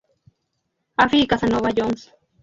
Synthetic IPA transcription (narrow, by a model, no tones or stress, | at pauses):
afikasanoβaʎoŋs